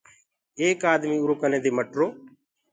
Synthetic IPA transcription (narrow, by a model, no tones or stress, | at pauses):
eːkaːd̪miːʊɾoːkənẽːd̪eːməʈɾoː